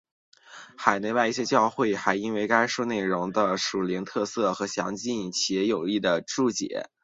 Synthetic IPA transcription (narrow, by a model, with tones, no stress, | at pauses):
xa˨˩ɪne˥˧wa˥˧ɪi˥˩ɕjɛ˥t͡ɕjɑ˥˧ʊxwe˥˩ɪxa˧˥ɪi˥nwe˥˧ɪka˥ɪʂu˥˧ne˥˩ɪɻʊ˧˥ŋd̪ə˧ʂu˨˩li˧˥ŋt̪ʰɤ˥˧sɤ˥˩xɤ˧˥ɕjɑ̰˧˥ŋt͡ɕi˥˧nt͡ɕʰɛ˧˥jo˨˩ʊi˥˩d̪ə˩ʈ͡ʂu˥˩t͡ɕjɛ̰˨˧˥